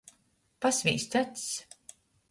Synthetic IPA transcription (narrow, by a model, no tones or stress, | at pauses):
pasvʲḭːst̪ʲat̪s